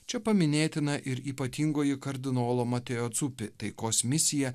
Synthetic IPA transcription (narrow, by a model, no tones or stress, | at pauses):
t͡ʃʲɛpɐmʲɪnʲeːt̪ʲɪnɐʔɪɾiːpɐt̪ʲiːŋɡoːjɪkɐɾʲd̪ʲɪnoːlˠoːmɐt̪ʲɛjoːt̪sʊpʲɪt̪ɐɪkoːsmʲɪsʲɪjɛ